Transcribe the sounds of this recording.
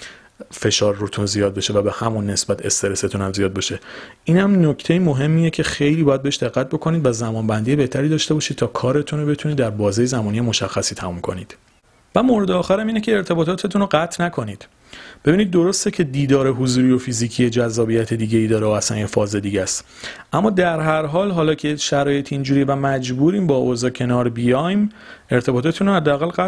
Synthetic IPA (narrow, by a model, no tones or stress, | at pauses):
fe̞ʃɒːɾːot̪ʰunzijɒːd̪̚be̞ʃe̞væbe̞hæmunːe̞sbæt̪ʰe̞st̪e̞ɾeset̪ʰunæmzijɒːd̪̚beʃe̞ʔiːnhæmnocʰt̪ʰe̞imoɦe̞mːiːjecʰe̞xe̞jliːbɒjæd̪̚be̞eʃd̪e̞ɢːæt̪̚bo̞kʰo̞niːd̪væzæmɒːnbænd̪ijebe̞ht̪ʰæɾiːd̪ɒːʃt̪e̞bɒːʃid̥̪̚t̪ʰɒːkʰɒːɾe̞t̪ʰunobe̞t̪ʰuniːd̪ːæɾbɒːzijezæmɔːnije̞mo̞ʃæxːæsiːt̪ʰæmumkʰo̞̰nḭːd̪̥ | væmoɾe̞d̪eɒːxæɾæmiːnecʰeːɾt̪ʰe̞bɒːt̪ʰɒːt̪ʰe̞t̪ʰunoɡæt̪ʰnækʰo̞niːd̪̥ | b̥e̞biːniːd̪̚ːo̞ɾo̞st̪ecʰe̞d̪iːd̪ɒːɾe̞ɦuzuːɾijo̞fiziːcʰijed͡ʒæzːɒːbijæt̪ʰe̞d̪iːɟeiːd̪ɒːɾeoæsæ̰njefɒːze̞d̪iːɟæst̪ | ʔæmːɒːd̪æɾɦæɾɦɒːlɦɒːlɒːcʰeʃæɾɒːje̞t̪ʰind͡ʒuːɾivæmæd͡ʒbuːɾiːmbɒːʔozɒːcʰe̞nɒːɾbijɒjme̞ɾt̪ʰe̞bɒːt̪ʰɒt̪ʰunɾohæd̪ːææɣælɣæ